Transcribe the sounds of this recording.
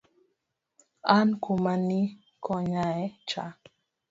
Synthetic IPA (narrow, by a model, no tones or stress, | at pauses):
ankumani | kʰɔɲaɛt͡ʃa̰